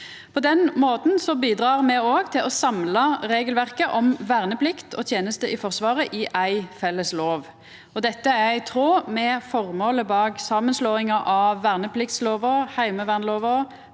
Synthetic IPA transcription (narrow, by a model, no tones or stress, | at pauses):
pʰɔd̪ɛnmoːt̪n̩sɔbiːd̪ʁɑːʁmɛoːɡt̪ʰɪlɔsɑmlɑʁeːɡəlʋæʁkəʔɔmʋæːʁnəpʰlɪkt̪ʰɔ̰t̪ʰjeːnəst̪əʔɪfɔʁsʋɑːʁəʔɪʔæɪfɛlːəsloːʋ | ɔd̪ɛt̪ːəæɪt̪ʰʁoːmɛfɔʁmoːləbɑːksɑːmənsloːɪŋɑʔɑʋːæːʁnəpʰlɪk̚t̪sloːʋəhæɪməʋæʁnloːʋə